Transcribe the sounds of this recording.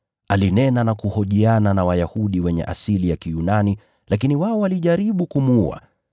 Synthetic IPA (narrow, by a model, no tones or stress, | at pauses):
alinɛnanakuhɔʄiananawajahuɗiwɛɲɛ̰ʔa̰silijakijunani | lakiniwaɔwaliʄaɾiɓukumua̰